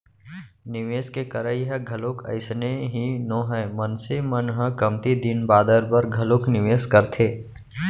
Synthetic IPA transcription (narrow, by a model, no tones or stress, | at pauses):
nɪʋeːskekəɾəiɦɛɡʱɐlokʰɐ̰ɪsneɦinõːɦɛmɐnsemənɦə̃kɐmt̪id̪ɪnbaːd̪əɾbəɾɡʱɐloknɪʋeːskəɾt̪ʰeː